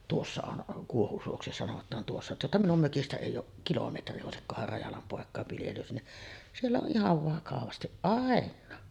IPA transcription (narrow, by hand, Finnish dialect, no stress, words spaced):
tuosːɑ on kuohusuoksi sɑnotˑɑːn tuosːɑ tuostɑ minum møkistæ eˑijˑ oːʔ kilometri oˑesikːohɑr rɑjɑlɑm poˑekˑɑˑeʋ ʋiljelys ni sielːæ on ʔihɑʋ ʋɑkɑʋɑstiʔ ʔɑˑenˑɑː